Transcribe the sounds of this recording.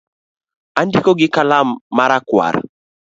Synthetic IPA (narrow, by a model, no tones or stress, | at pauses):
andikoɡɪkalamːaɾakwa̰ɾ